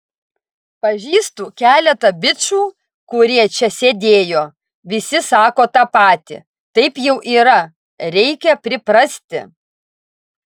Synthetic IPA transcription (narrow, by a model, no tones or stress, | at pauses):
pɐʒʲiːst̪uːkʲæːlʲɛt̪ɐbʲɪt͡ʃuː | kʊɾʲiɛt͡ʃʲɛsʲeːd̪ʲeːjoː | ʋʲɪsʲɪsɑːkoːt̪ɑpɑːt̪ʲɪ̰ | t̪ɐɪpjɛʊʔiːɾɐ | ɾʲɛɪkʲɛpʲɾʲɪpɾɐsʲt̪ʲɪ̰